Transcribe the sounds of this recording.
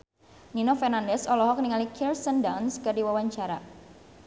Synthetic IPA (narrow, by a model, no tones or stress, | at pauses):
ninofɛrnandɛsɔlɔɦɔk̚niŋalikʰirsəndanskərdiwawaɲt͡ʃaɾa